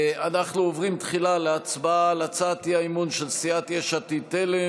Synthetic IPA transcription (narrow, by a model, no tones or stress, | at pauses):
anaχnuovʁimt̪χilaleat͡sbaalat͡sat̪iaimunʃelsiat̪jeʃat̪it̪ele